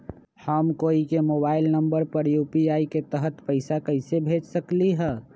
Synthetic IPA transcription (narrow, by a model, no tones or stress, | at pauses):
həmkoːikemoːbaːɪlnəmbəɾpəɾjuːpiaːiket̪əɦət̪pəɪsakəɪsebʱed͡ʒsəkliɦɛ